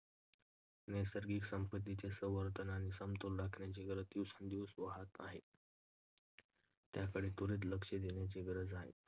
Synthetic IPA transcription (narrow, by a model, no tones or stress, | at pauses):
nesəɾɡiːksəmpət̪ːit͡ɕesəʋəɾt̪ənanisəmt̪olɾakʰɳjat͡ɕeɡəɾət̪iʋsənd̪iʋsʋəɦat̪a̰ɦḛ | t̪jakəɽet̪oɾeːt̪̬ləkʂed̪eɳjat͡ɕeɡəɾəd͡zaɦḛ